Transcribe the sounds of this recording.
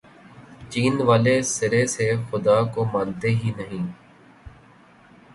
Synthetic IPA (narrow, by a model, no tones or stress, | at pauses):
t͡ʃiːnʋaːleːsɪɾeːsexʊd̪aːkoːmãːnt̪eɦiːnəɦĩː